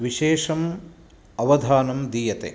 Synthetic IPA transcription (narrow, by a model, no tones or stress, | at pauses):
ʋiʃeːʂɐm | ɐʋɐd̪ʱaːnɐmd̪iːjɐt̪ḛ